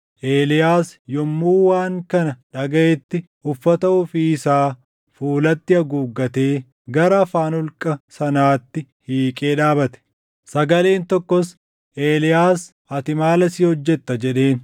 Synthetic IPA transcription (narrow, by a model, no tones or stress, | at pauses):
ʔe̞ːlɪjaːsjɔmːuːwaːŋkɐnɐᶑɐɡɐʔɛt̪ːɪ | ʊfːɐt̪ɐʊfiːɪsaː | fuːlɐt̪ːɪɐɡuːɡːɐt̪e̞ː | ɡɐɾɐɐfaːnʊlkʼɐsɐnaːt̪ːɪhiːkʼe̞ːᶑaːbɐt̪ɛ̥ | sɐɡɐle̞ːnt̪ɔkːɔs | ʔe̞ːlɪjaːs | ɐt̪ɪmaːlɐsiːhɔd͡ʒːɛt̪ːɐd͡ʒɛᶑe̞ːn